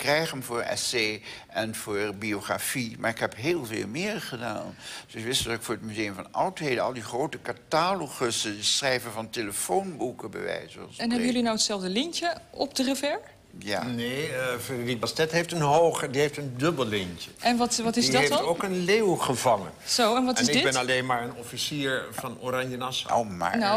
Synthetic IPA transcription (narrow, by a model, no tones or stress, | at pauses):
krɛjχəmvʊːɹɛ̰seːʔɛnv̥ʊːɹbioχra̰fimaːɹɪkɦɛpɦeːlˠvḛːlˠmɪːɹχəda̰ːnd̥oʋɪstəokfʊːɹətmyzejəmvɑnɑwtɦeːdəɑ̰lˠdiχrowtəkataːloχəsəsrɛjvənvɑnteləfownbukəbə̰ʋɛ̰jsɔ̰sɛnɦɛbəjɵlinawətsɛlˠvdəlɪncəʔɔp̚dərəvɛɹ | ja̰nefedribastɛtɦejftənɦoːχədiɦeftəndɵbəlˠlɪntəʔɛnʋɑtʋɑtɪsidetokənleːwχəvɑŋə̰nz̥owɛnʋɑtɪsnɪdɡɪbɛnalejnmaːɹənɔfisiːɹvɑnorɑɲjənɑso̰wma̰ːna